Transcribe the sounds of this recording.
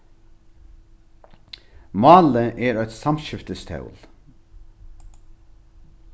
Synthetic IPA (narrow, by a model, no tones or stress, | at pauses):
mɑːləʔeːɾœt̪sɑmʃʏft̪əst̪ʰɑ̰ʉl